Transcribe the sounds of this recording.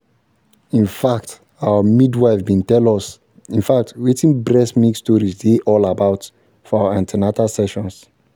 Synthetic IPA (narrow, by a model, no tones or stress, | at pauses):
ĩnfakt | awəmidwaɪvbĩntɛlɔs | ĩnfak̚twetĩŋbɹɛsmikstɔɹisdeʔɔlabaʊt | fɔawəãntinatalsɛʃɔ̃ns